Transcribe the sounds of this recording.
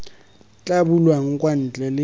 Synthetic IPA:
t͡ɬʼabulwaŋ̩kʼwan̩t͡ɬʼɛlɪ

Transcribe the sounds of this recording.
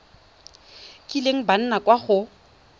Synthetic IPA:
kʼileŋ̩ban̩nakʼwaχʊ

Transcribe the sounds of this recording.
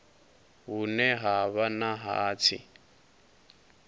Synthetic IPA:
ɦunɛɦaβanaɦaːt͡sʰḭ

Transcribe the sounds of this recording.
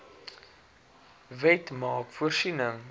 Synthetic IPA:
vɛtmɑːkfuərsinəŋ

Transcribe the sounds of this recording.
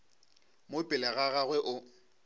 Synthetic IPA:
mopʼɪlɛɣaɣaɣwɛʔʊ

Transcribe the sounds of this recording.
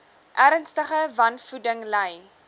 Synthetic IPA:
ʔæɾənstəχəvɐnfudəŋləj

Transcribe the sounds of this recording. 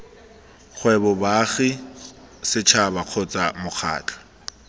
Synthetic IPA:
χʰwɛbɔbaχi | sɪt͡ʃʰabaq͡χʰɔt͡sʼamʊk͡xʰa̰ːt͡ɬʼḁ

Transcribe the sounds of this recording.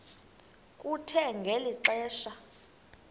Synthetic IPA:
kʼutʰɛŋɡʱeliǁɛːʃa

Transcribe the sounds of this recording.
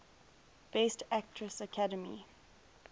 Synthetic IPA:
b̥estʰæk̚tʰɹəsəkʰadəmḭ

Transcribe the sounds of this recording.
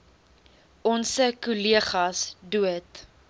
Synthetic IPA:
ʔɔnsəkuliəχɐsduət

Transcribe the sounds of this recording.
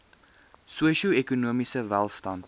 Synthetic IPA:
suəʃiuɛkunuəmisəvælˠstɐnt

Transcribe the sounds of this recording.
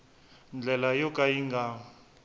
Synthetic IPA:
nd͡ɮʱɛlajɔkʼajiŋɡa

